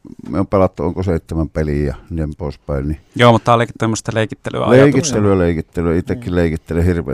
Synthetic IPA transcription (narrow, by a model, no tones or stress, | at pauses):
mḛompelɑt̪ːuoˑŋkoseˑit̪ːemæmpelijjɑniːempoˑespæˑennijoːmut̪ːɑɑlekit̪ːemːost̪ɑleˑikit̪ːely̰æ̰lɑejˑɑik̪uist̪ːelyjɑleˑikit̪ːelyit̪ːekːilleˑikit̪ːelehirʋˑḛ